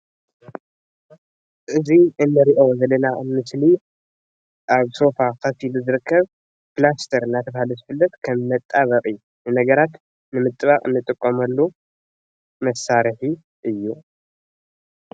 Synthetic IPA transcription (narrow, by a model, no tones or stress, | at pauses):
ʔɨziɨnːɨɾiʔozɐlːɐnaɨmɨsli | ʔaβso̞fakʰɐfiluzɨɾɨkʰːɐβ | pɨlast̪ʰɐɾɨnːat̪ʰɐβahaluzɨfɨlːɐt̪kʰɐmːɐt̪ʼːaβɐkʼɨju | nɨnɐɡɐɾat̪ | nɨmɨt̪ʼːɨβaqʼɨnːɨt̪ʼɨkʼːomɐlːu | mɐsaɾɨħi | ʔɨjːu